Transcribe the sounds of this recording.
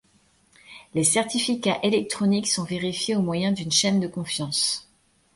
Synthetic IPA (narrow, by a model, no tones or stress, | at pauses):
lesɛʁt̪ifikʲaʔelɛk̚t̪χɔniksɔ̃veʁifjeomwajɛ̃d̪ynʃɛnd̪əkɔ̃fjɑ̃s